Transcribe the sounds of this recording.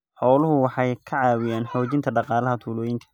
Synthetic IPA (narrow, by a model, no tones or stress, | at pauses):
ħɔːlʊɦʊwɑħɑjkʰɐʕɑːwɪjaːnħɔːt͡ʃɪnt̪ʰɐɖɑqɑːlɐɦɐt̪ʰuːlɔːjɪnt̪ʰɐ̥